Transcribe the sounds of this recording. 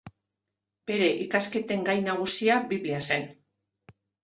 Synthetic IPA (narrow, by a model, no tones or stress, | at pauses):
b̥e̞ɾe̞ʔikaske̞t̪e̞ŋɡajnaɣ̞usiabiβiase̞n